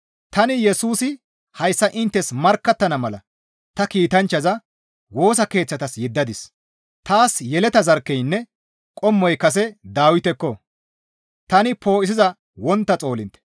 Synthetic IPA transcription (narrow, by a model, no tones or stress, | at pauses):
t̪ɐnɪjɛsuːsɪ | hɐjsːɐʔɪnt̪ːɛsmɐɾkːɐt̪ːɐnɐmɐlɐ | t̪ɐkiːt̪ɐnt͡ʃːɐzɐ | wo̞ːs̬ɐke̞ːt͡sːɐt̪ɐsjɛd̪ːɐd̪ɪs | t̪aːsjɛlɛt̪ɐzɐɾkːɛjnːɛ | kʼɔmːɔjkɐs̬ɛd̪aːwɪt̪ɛkːɔ | t̪ɐnɪpo̞ːʔɪs̬ɪzɐ | wɔnt̪ːɐt͡sʼo̞ːlɪnt̪ɛ̥